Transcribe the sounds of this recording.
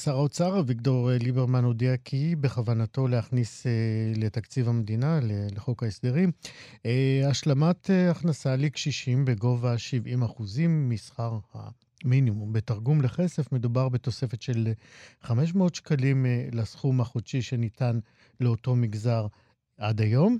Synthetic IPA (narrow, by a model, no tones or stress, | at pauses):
saʁaot͡saʁavikto̞ʁlibeʁmanodiakʰibeχavanato̞lehaχnisele̞takt͡sivamed̪inaleleχo̞khaesd̪eʁimeaʃlamateaχnasalikʃiʃimbe̞ɡo̞vaʃivimaχuzimːisχaʁha̰ | minimumbetaʁɡumleχe̞se̞fme̞dubaʁbe̞t̪o̞se̞fe̞tʃe̞lχame̞ʃ̬meotʃkalimlasχumaχoʃiʃe̞nitan | le̞oto̞miɡzaʁ | ʔadajo̞m